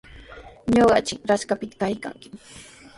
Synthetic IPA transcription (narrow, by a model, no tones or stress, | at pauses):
ɲoɢɑ̰t͡ʃɪkɾaskapɪt̪ḁkajka̰ŋkɪ̥